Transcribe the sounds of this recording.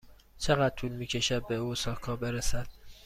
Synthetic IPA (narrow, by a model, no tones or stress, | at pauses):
t͡ʃʰe̞ɣæd̪̚t̪ʰuːlmiːcʰe̞ʃæd̪̚beuːsɒːkʰɒːbe̞ɾesæd̪̥̚